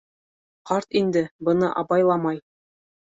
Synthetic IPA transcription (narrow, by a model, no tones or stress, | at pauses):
qɑɾt̪ind̪ɘbɤ̆nɤʔɑbɑjlˠɑmɑj